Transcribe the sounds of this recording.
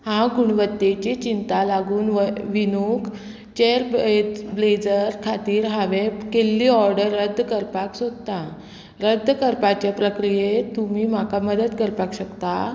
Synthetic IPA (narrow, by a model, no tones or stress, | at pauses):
hãɡuɳ̃ʋət̪ːet͡ɕet͡ɕint̪alaɡuːnʋʋinuk | t͡ɕeɾbbled͡zəɾkʰat̪iːɾɦaʋekelːiːɔɾɖəɾːəd̪ʱːkəɾpaksod̪t̪a | ɾəd̪ʱːəkəɾpat͡ɕjapɾəkɾijet̪umiːm̤akaməd̪əd̪kəɾpakɕəkt̪a